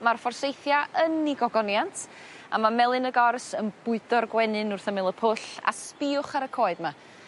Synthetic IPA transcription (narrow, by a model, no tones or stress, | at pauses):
marfɔrsejθjaəniɡɔɡɔnjantʰ | amamɛlˠɨnəɡɔrsənb̥ʊɨd̥ɔrɡwɛnɨnʊrθəmɪlˠəpʰʊɬa̰spɪʊχaɾəkʰoːɨdma